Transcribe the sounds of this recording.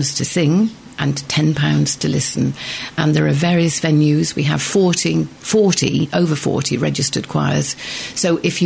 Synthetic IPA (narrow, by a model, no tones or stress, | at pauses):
nz̥tʰɨsɪ̃ŋ | ʔə̃ntʰɛ̃npʰãʊ̃ndz̥tʰəlɪsn̩ʔə̃nðəɹəvɛːɹiəsvɛ̃njʉzwiəv̥fɔɹtifɔˑɹtḭoʊvə˞fɔ̰ɹɾʰiɹɛd͡ʒɨstəd̚kʰw̥a̰ɪə̰z̥soʊʔɪfjɨ